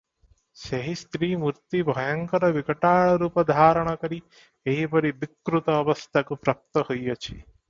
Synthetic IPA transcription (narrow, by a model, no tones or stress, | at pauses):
seɦist̪ɾiːmuɾt̪ibʱɔjɐŋkɔɾɔʋikɐʈaːɭɔɾuːpɔd̪ʱaːɾɔɽ̃ɔkɔɾi | eɦipɔɾibikːɾut̪ɔːʋɐst̪ʰakupɾɐp̚t̪ɔhojjɔt͡ʃʰḭ